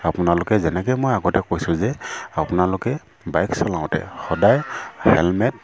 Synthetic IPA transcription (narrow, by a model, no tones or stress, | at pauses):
apʊnalʊkɛzɛnɛkɛjmojaɡɔtɛkojsʊ̃zɛapʊnalʊkɛ | bajksɔlãʊ̃tɛ̰xɔdajhɛ̰lmɛt̚